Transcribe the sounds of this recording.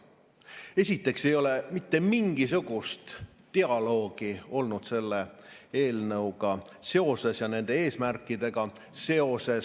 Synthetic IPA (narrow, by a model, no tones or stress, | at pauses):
e̞sʲit̪ːˑe̞kse̞jo̞le̞mit̪ːe̞miŋɡ̥is̬uɡ̥ust̪ː | eɑlo̞ːɡ̥io̞lnud̪̥se̞lːe̞e̞ːlnɤwɡ̥ɑ | se̞o̞se̞sjɑne̞nd̪̥e̞e̞ːsmærkːˑid̪̥e̞ɡ̥ɑ | se̞o̞se̞s